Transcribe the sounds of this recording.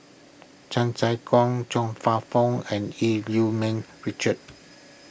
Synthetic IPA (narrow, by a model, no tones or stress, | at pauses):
t͡ʃãnsajkʰɔ̃ŋt͡ʃɔ̃ŋfafɔ̃ŋɛ̃niljumɛ̃nɹit͡ʃət̚